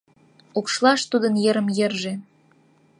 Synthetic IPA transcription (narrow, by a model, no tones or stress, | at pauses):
ukʃlɑʃt̪ud̪ənjə̆ɾəmjĕrʒe